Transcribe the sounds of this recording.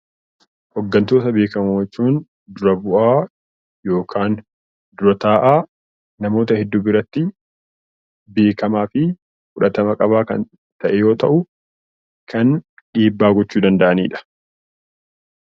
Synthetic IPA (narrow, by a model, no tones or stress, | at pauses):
hɔɡːɐnt̪o̞ːt̪ɐbe̞ːkɐmot͡ʃːuːn | d̪ʊɾɐbʊʔaː | jo̞ːkʰaːn | d̪ʊɾɐt̪aːʔaː | nɐmo̞ːt̪ɐhɛd̪ːʊbɪɾɐt̪ːɪ | beːkɐmaːfɪ | fʊᶑɐt̪ɐmɐkʼɐβaːkɐ̰n | t̪ɐʔɛjo̞ːt̪ɐʔʊ | kʰɐn | ᶑiːbːaːɡɔt͡ʃːuːd̪ɐnd̪ɐʔɐniːᶑɐ̥